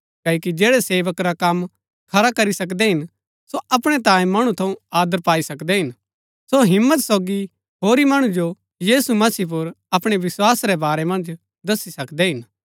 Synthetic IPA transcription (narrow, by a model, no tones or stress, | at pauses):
kɐːkid͡ʒɛːɽɛseːʋəkɾakɐm | kʰɐɾakɐɾisɐk̬d̪ɛɦɪn | soɐpɽ̃ɛt̪ãːjẽmɐɽ̃ũt̪ʰɐ̃ũaːd̪əɾpaːisɐkd̪ɛɦɪn | soɦɪmːət̪soːɡi | ɦoːɾimɐɽ̃ũd͡ʒo | jiːsumɐsiːp̬ʊɾ | ɐpɽ̃eʋɪswaːsɾɛbaːɾɛmɐ̃nd͡ʒ | d̪ɐsisɐkd̪ɛɦɪn